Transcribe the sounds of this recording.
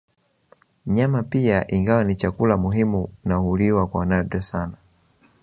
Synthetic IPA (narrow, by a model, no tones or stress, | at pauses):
ɲamapiaʔiŋɡawanit͡ʃakulamuɦimunahuliwakwanaɗɛsana